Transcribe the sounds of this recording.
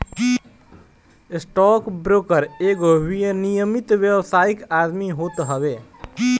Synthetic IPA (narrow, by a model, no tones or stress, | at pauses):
ɪsʈɔːkbɾoːkəɾeːɡowijənijəmɪt̪ʋeʋsaːikaːd̪miɦoːt̪ɦəʋeː